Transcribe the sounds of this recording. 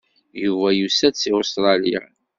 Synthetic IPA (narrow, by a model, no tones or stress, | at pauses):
juvæjusæt͡sːiost̪ɾˤɑlijæ̰n